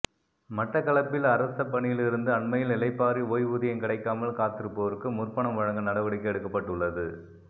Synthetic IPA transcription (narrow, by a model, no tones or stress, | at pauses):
mɐʈːɐkɐɭɐpːɪlɐɾɐst̪ɐpːɐɳɪjɪlɪɾɯnd̪ɯɐɳmɐjɪlɪlɐɪpːaːɾioːjʋuːðɐjɐmkɪɽɐɪkːaːmɐlkaːt̪ɯɾɯpːɐʋɐɾkːɯmʊrpɐɳɐmʋɐɻɐŋɡɐnɐɽɐʋɐɽɪkːɯɛɽɯkːɐpːɐʈːɯɭːɐðɯ